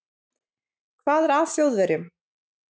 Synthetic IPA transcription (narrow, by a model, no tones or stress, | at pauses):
kʰvaːðɛɾḁːsjowðvɛɾɪm